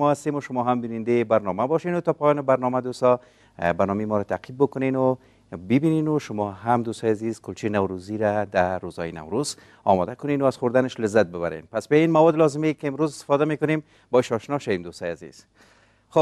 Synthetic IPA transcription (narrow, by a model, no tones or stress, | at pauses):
ɔast̪emʊʃʊmɔɦambinɪnd̪ebaɾnɔmabɔʃenʊt̪ɔpɔjɔnɪbaɾnɔmad̪ost̪ɔ | baɾnɔmejmɔɾat̪aqʰib̚bʊkʊnenʊ | bɪbinenʊʃʊmɔɦamd̪ost̪ɔjazizkʊlt͡ʃenawɾuziɾad̪aɾozɔ̰jɪna̰wɾuz | ɒ̰mɔ̰d̪akʊnenʊazxʊɾd̪anɪʃlɪzːat̪̚bɪbaɾḛnpasbainmawɔd̪lɒzɪmekɪɪmɾozɪ̥st̪ɪ̥fɔd̪amekʊnem | bɔɪʃɔʃnɔʃawemd̪ost̪ɔjazḭz̥ | xo